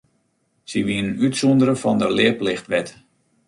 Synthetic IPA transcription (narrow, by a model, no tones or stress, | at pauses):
siʋinənytsɔndəɾəfɔndəlɪəplɪxtʋɛt